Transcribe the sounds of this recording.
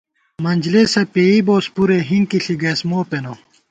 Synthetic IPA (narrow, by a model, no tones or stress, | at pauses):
mɐnʲd͡ʑlesɐpeiboːspuɾeɦiŋkiɬiɡɐːsmoːpeno